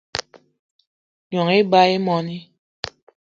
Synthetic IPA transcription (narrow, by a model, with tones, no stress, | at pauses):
ɲɔ˨ŋe˦ba˦e˦mɔ˨ni˦